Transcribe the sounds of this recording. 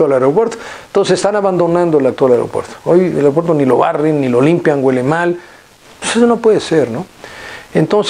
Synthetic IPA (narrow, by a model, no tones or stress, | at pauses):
alaeɾopweɾt̪o̥nt̪osesest̪anaβand̪o̞nãnd̪oelak̚t̪walaeɾo̰pwḛɾt̪o̥ojḛlaɾopweɾt̪̬onilo̞βarenːilolimpjaŋɡwelemal | pe̥sesonopweðeseɾnoent̪ons